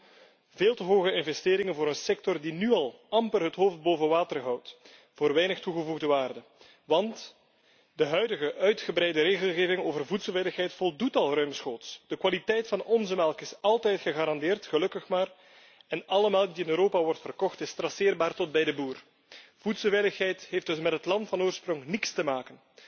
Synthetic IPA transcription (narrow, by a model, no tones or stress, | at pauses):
veːlˠtəɦoːɣəɪnvɛsteːɾɪŋənvoːɾənsɛk̚tɔrdinyɑlˠɑmpərɦətɦoːft̚boːvənʋaːtərɦʌwt | v̥oːrʋɛjnəxtuɣəvuɣdəʋaːrdə | ʋɑnt | dəɦœɥdəɣəʔœɥtxəbɾɛjdəɾeːɣəlˠɣeːvɪŋoːvərvutsəlˠʋɪdəxɦɛjtfɔlˠdutɑlˠrœɥmsxoːtsd̥əkʋalitɛjtfɑnɔnzəmɛlˠkɪsɑlˠtɛjtxəɣaːɾɑndɪːrtxəlɵkəxmaːr | ɛnɑləmɛlˠk̚diɪnøːɾoːpaʋɔrtfərkɔxtɪstrɑsɪːrbaːrtɔt̚bɛjdəbuːr | v̥utsəlˠvɛjləxɦɛjtɦefd̥ɵsmɛtɦətlɑntfɑnoːrsprɔŋnɪkstəmaːkən